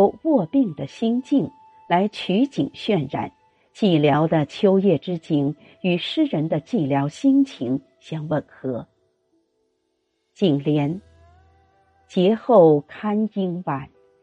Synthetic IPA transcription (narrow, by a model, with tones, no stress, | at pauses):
ʊwɔ˥˧pi˥˩ŋd̪ə˩ɕi˥ŋt͡ɕi˥˩ŋ | la˧˥ɪt͡ɕʰy˧˥t͡ɕi˨˩ŋɕɥɛ˥˧nɻa̰˨˩˦n | t͡ɕi˥˩ljɑ˧˥ʊd̪ə˧t͡ɕʰjo˥ʊjɛ˥˩ʈ͡ʂɻ̩˥t͡ɕi˧˥n | y˨˩ʂɻ̩˥ɻə˧˥nd̪ə˧t͡ɕi˥˩ljɑ˧˥ʊɕi˥ŋt͡ɕʰi˧˥ŋ | ɕjɑ˥ŋwə˥˨˩nxɤ˧˥ | t͡ɕi˨˩ŋljɛ˧˥n | t͡ɕjɛ˧˥xo˥˩ʊkʰa˥ni˥ŋwa˨˩˦n